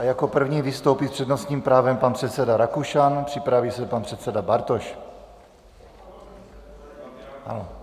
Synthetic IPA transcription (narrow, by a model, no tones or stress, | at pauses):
ajako̞pr̩vɲiːvɪst̪owpispr̥ɛdnost̪ɲiːmpɾaːvɛmpanpr̥ɛt̪sɛdaɾakuʃanpr̥ɪpɾaviːsɛpanpr̥ɛt̪sɛdabaɾt̪oʃ | ha̰lo